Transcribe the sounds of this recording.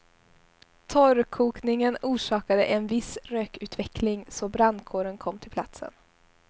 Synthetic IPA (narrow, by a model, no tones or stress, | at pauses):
t̪ʰɔɾkʰuːknɪŋənuːʂɑːkad̪ə̰ʔɛnvɪsɾøːkʉ̟ːt̪vɛklɪŋsɔbɾand̪kʰoːɾənkʰɔmːt̪ʰɪlpʰlat̪sə̰n